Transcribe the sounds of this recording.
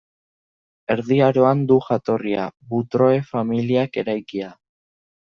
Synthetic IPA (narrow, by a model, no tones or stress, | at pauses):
e̞ɾðiaɾo̞and̪uʝat̪o̞ria̰βut̪ɾo̞e̞familiake̞ɾajkia